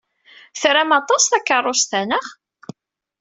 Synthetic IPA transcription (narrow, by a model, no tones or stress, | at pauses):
θɾæmɑt̪ˤɑsθækːərˤːost̪ænəχ